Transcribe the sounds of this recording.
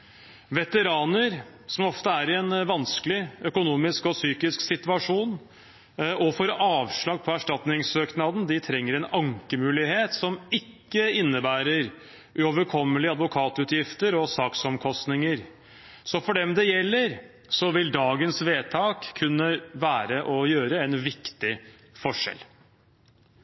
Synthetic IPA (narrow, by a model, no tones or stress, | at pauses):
ʋɛt̪əɾɑːnəɾ | sɔmɔft̪əæɾɪɛnʋɑnskəlɪœkʊnuːmɪskɔsyːkɪsksɪt̪ʉɑʂuːn | ɔfɔɾɑːʋʂɭɑːɡ̚pʰɔæʂʈɑt̪nɪŋsøːknɑd̪n̩d̪ɪt̪ʰɾɛŋːəɾɛnɑŋkəmʉːlɪheːt̪sɔmɪkːəɪnːəbæːɾəɾ | ʔʉoːʋəɾkʰɔmːəlɪɑd̪ʋʊkʰɑːt̪ʉːt̪jɪft̪əɾɔsɑːksɔmkʰɔst̪nɪŋəɾ | sɔfɔɖɛmd̪ɛjɛlːəɾ | sɔʋɪld̪ɑːɡənsʋeːt̪ʰɑːkʰːʉnːəʋæːɾəʔɔjøːɾəɛnʋɪkt̪ɪ | fɔʂɛ̰l